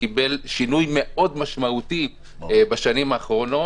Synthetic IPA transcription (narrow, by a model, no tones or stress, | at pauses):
ibelʃinujme̞ʔo̞dmaʃmaut̪i | baʃanimaːχʁo̞no